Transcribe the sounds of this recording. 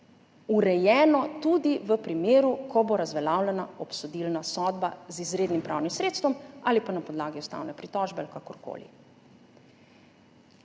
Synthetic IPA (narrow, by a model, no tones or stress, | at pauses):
uɾɛjɛːnɔt̪ud̪iʋəpɾimeːɾukɔboɾazʋɛlawlɛnaɔpsɔd̪ilnasɔd̪bazizɾeːd̪nimpɾʔa̰ːwnimsɾeːt̪st̪ʋɔmaːlipanapɔd̪laːɡiust̪a̰wnɛpɾit̪ɔʒbɛalikakɔɾko̰ːlḭ